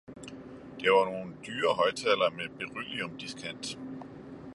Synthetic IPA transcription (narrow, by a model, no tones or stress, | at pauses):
d̥eʋɑ̈no̝ːn̩d̥yːɐɦɒ̽ɪt͡sʰɛlɐmeb̥e̝ʁy̰liɔmd̥iskʰæn̰d̥